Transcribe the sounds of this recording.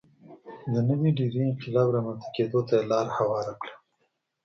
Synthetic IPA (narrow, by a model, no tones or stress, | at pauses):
d̪ənəwiɖiɾiɪnqɪlɑːbɾamant̪ḁked̪ot̪ajelɑɾhawɑɾakɽa